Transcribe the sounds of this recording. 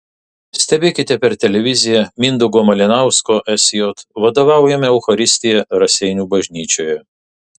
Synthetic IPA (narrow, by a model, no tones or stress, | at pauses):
sʲt̪ʲɛbʲeːkʲɪt̪ʲɛpʲɛɾt̪ʲɛlʲɛʋʲɪzʲɪjɛmʲɪnd̪ʊɡoːmɐlʲɪnɑˑʊskoːʔɛsʲjoːt̪ʋɐd̪oːʋɑˑʊjɛmʲɛɐʊxɐɾʲɪsʲt̪ʲɪjɛɾɐsʲɛɪnʲuːbɐʒʲnʲiːt͡ʃʲoːjɛ